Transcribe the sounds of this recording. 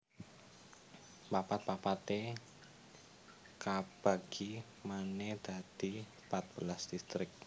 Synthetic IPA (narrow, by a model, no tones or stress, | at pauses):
papat̪̚papat̪e | kab̥aɡ̥i | maned̪̥a̤d̪̥i | pat̪̚b̥əlasd̪̥ist̪ɾɪk̚